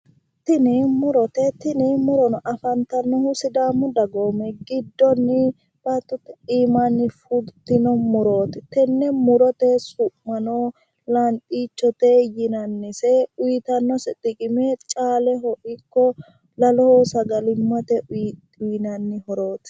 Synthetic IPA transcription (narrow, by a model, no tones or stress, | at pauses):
t̪ɪnɪmʊɾɔt̪ɛt̪ɪnɪmʊɾɔnɔʔɐfɐnt̪ɐnːɔhʊsɪd̪aːmːʊd̪ɐɡoːmɛɡɪd̪ːɔnːɪ | b̥ɐt̪ːɔt̪ɛiːmɐnːɪfʊɡt̪ɪnɔmʊɾo̞ːt̪ɛt̪ɛnːɛmʊɾɔt̪ɛsʊʔmɐno | lɐnt̪ʼiːt͡ʃːɔt̪ɛjɪnɐnːɪsɛʊjɪt̪ɐnːɔsɛt̪ːɪkʼɪmɛt͡ʃʼaːlɛɦɔʔɪkːɔ | lɐlɔhoːsɐɡɐlɪmːɐt̪ɛ | ʊjnɐnːɪhɔɾoːt̪